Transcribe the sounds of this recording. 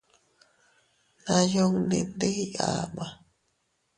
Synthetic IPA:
nã˨jo˦ŋnḭ̃˨nd̪e˦i˦a̰ma˨

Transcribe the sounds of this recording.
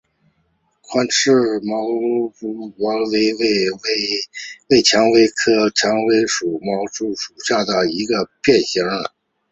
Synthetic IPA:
kʰwa˥nʈ͡ʂʰɻ̩˥˩mɑ˧˥ʊpu˥wɑ˧˥we˥ɪ˥˩˧ | we˥˩ɪt͡ɕʰjɑ˧˥ŋwe˧˥ɪkʰɤ˥t͡ɕʰjɑ˧˥ŋwe˧˥ɪʂu˨˩mɑ˧˥ʊʈ͡ʂu˥˩ʂu̥˨˩ɕja˥˩d̪ə˩i˧˥ɡə˧pjɛ˥˩nɕi˧˥ŋə˨˩˦

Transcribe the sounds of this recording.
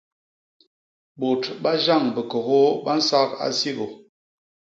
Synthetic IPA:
bo˨tɓa˦ʒa˦˨ŋbə˨kɔ˨ɣo˦ɓa˦n̩˦sa˦ka̰˦si˦ɣo˨

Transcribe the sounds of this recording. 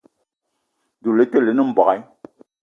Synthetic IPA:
du˨le˦te˦˨le˨˦nɨ˦m̩˨bɔ˨ka˦j

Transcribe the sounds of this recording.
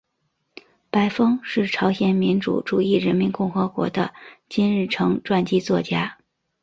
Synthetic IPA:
pa˧˥ɪfɤ˥ŋʂɻ̩˥˩ʈ͡ʂʰɑ˧˥ʊɕjɛ˨˩nmi˧˥nʈ͡ʂṵ˨˩ʈ͡ʂu˨˩i˥˩ɻə˧˥nmi˧˥nkʊ˥˩ŋxɤ˧˥kwɔ̰˧˥d̪ə˧t͡ɕi˥nɻɻ̩˥˩ʈ͡ʂʰɤ˧˥ŋʈ͡ʂwa˥˩nt͡ɕi˥t͡swɔ˥˩t͡ɕja˥

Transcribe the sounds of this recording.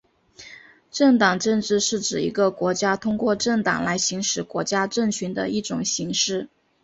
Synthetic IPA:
ʈ͡ʂɤ˥˩ŋt̪ɑ˨˩ŋʈ͡ʂɤ˥˧nʈ͡ʂɻ̩˥˧ʂɻ̩˥˩ʈ͡ʂɻ̩˨˩ḭ˧˥ɡə˧kwɔ˧˥t͡ɕja˥t̪ʰʊ˥ŋkwɔ˥˧ʈ͡ʂɤ˥˩ŋt̪ɑ̰˨˩ŋla˧˥ɪɕi˧˥ŋʂɻ̩˨˩kwɔ˧˥t͡ɕja˥ʈ͡ʂɤ˥˩ŋt͡ɕʰy˧˥nd̪ə̰˧i˥˩ʈ͡ʂʊ̰˨˩ŋɕi˧˥ŋʂɻ̩˥˩

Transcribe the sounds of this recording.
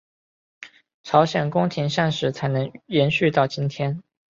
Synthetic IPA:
ʈ͡ʂʰɑ˧˥ʊɕjɛ˨˩nkʊ˥ŋt̪ʰi˧˥ŋʂa˥˧nʂɻ̩˧˩t͡sʰa˧˥ɪnɤ˧˥ŋjɛ˧˥nɕy˥˧t̪ɑ˥˩ʊt͡ɕi˥nt̪ʰjɛ˥n

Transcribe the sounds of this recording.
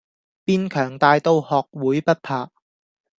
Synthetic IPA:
piː˥nkʰœː˨˩ŋt̪aː˨jt̪o˧whɔː˨k̚wuː˨˥jpɐ˥t̚pʰaː˨˧

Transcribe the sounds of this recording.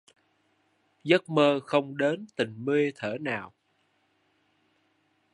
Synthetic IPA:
zə˦˥t̚məː˧xə˧wŋ͡mɗe˨˦nt̪ï˨˩ŋ̟me˧t̪ʰəː˧˩naː˨˩w

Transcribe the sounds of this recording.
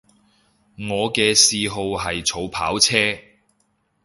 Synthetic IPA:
ŋɔː˨˧kɛː˧siː˧ɦo˧wɦɐ˨jt͡sʰo˨˧wpʰaː˨˥wt͡sʰɛː˥

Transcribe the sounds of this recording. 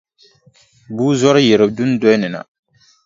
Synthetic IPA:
buː˦zɔ˦ɾɨ˦je˨ɾɨ˨b̚du˦n˦dɔ˦jnɪ˨na̰˨

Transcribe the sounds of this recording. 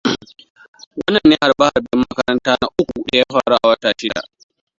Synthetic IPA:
wɐ˦nːɐ˨nːɛ˦ha˨bɐ˦ha˨rbɛ˦mːɐ˦kɐ˦ɾɐ˦ntaː˦na˦ʔʊ˦kʷu˨ɗe˨ja˦ɸaː˦˨ɽu˦ʔa˨wɐ˦taː˨ʃɪ˦da̰˨

